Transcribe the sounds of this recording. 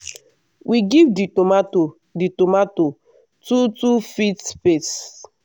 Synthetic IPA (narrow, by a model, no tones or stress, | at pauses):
wʔiɡivdiomato | ditomato | tutufitpes